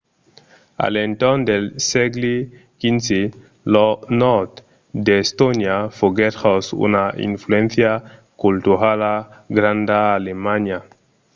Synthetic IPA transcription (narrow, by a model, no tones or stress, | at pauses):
a̰lent̪ond̪elseɡle | kinse | lonɔɾt̪ | d̪est̪onjafoɡeɾosṵnaḭnfluẽnθja | kult̪uɾalaɡɾand̪aːlemaɲa